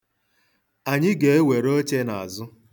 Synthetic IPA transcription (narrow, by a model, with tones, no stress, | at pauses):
a˨ɲɪ˦ɡe˨e˦we˨ɾo˦t͡ʃe˦na˨a˨zʊ˦